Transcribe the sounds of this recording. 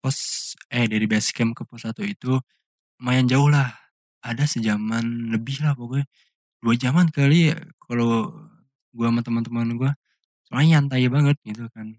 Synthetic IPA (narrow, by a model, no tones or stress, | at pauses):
pɔsɛhdaɾibɛskɛmkəpɔsat̪uit̪u | majand͡ʒaʊhlah | adasəd͡ʒamanləbɪhlahpaɡuɛ | duad͡ʒamankalikʰalo | ɡuamant̪əmənt̪əmanɡua | səmaant̪ajabaŋət̪̚ɡit̪ukan